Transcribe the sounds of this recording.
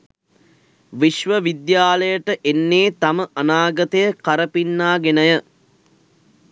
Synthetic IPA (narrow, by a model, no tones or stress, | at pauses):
ʋiʃʋəʋid̪jaːləjəʈəʔenːeːt̪aməʔɐnaːɡɐt̪əjəkɐɾəpinːaːɡenəjə